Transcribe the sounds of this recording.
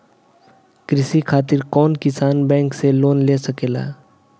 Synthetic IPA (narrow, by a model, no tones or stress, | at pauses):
kɾisikʰat̪iɾkɔnkisanbɛ̃ŋkselonlesəkela̰